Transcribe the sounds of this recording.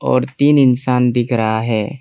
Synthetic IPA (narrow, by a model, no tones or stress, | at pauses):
ɔ̰ːɾt̪iːnɪnsaːnd̪ɪkʰɾɐɦaɦɛː